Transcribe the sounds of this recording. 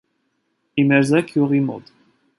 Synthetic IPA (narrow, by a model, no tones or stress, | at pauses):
imɛɾzɛkʰjuʁimɔ̰d̪